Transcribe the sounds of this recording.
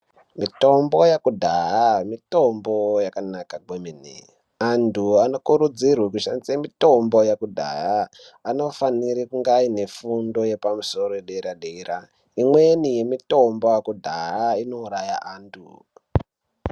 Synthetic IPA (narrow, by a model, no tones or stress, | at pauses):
mito̞mbo̞jakudʱaɦamito̞mbo̞jakanakaɡʱweminḭ | antuano̞kuɾud͡zirwekuʃanit͡semito̞mbo̞jakudʱa̰ɦa | ano̞faniɾikuŋɡine̞fundo̞je̞pamuso̞roeɗeiɾaɗeiɾa | imwe̞nijemito̞mbo̞jakudʱaaino̞uɾajaʔaːntʰu